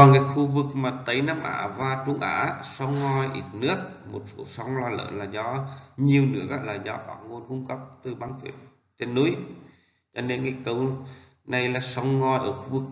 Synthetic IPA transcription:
ɔ˨˩ŋaː˨˩jxu˧vɨ˨˩k̚maː˨˩t̪ə˨˦jna˧mʔa̰ː˧˩vaː˧˩t͡ɕʊ˧ŋ͡mʔa̰ː˧˥sɔ˧wŋ͡mŋɔ˧jʔḭ˧˩t̚nɨ˦˥ək̚mo˨˩t̚so̰˧˦sɔ˨˦wŋ͡mlaː˧˩lə̰ː˧˨nlaː˨˩zɔ˨˦ɲi˨˩əwnɨ̰˦˧˥ək̚a̰ː˧˨laː˨˩zɔ˨˦ʔɔ˧˩ŋo˧nkʊ˧ŋ͡mkə˦˥p̚t̪ɨ˨˩ɓaː˧ŋfḭ˧˩əw̚ | t͡ɕe˧nːu˨˦j | t͡ɕɔ˧ne˧nŋa˨˧˩kə˨˦w | na˨˩jlaː˨˩sɔ˨˧˦wŋ͡mŋɔ˧˩jʔəː˧˩xu˧vɨ˨˩k̚

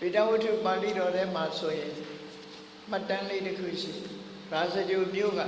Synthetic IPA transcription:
te˨ta˦˨wʊ˦tʰu˦˨pa˨tḭ˦˨ɾɔ˨ɾɛ̃˦ma˨sʰo˨jɪ̃˨ | m̥a˦tːã˦le˦˨ʔtəkʰṵ˦˨ʃḭ˦˨ | ɹa˨zə˨d͡ʑo˨mjo̰˦˨ɣa̰˦˨

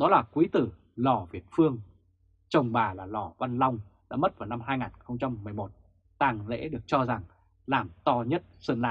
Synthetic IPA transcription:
ɗɔ˨˦laː˨˩kwi˨˦t̪ɨ˧˩ | lɔ˨˧˩vi˨˩ət̚fɨ˧əŋ | t͡ɕə˨˩wŋ͡mɓaː˨˩laː˨˩lɔ˧˩va˧nla˧wŋ͡mɗa̰ː˧˥mə˦˥t̚vaː˨˩wna˧mɦaː˧jŋaː˨˩nxə˧wŋ͡mt͡ɕa˧mːɨ˨˩əjmo˨˩t̚ | t̪aː˨˩ŋlḛ˧˥ɗɨ˨˩ək̚t͡ɕɔ˧za˨˩ŋ | laː˨˩mt̪ɔ˧ɲə˦˥t̚sə˧nla̰ː˧˨

